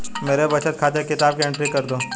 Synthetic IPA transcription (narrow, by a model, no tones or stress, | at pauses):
meːɾebɐt͡ʃət̪̚kʰaːt̪ekɪt̪aːb̚keɪ̃ɳʈɾikɐɾd̪oː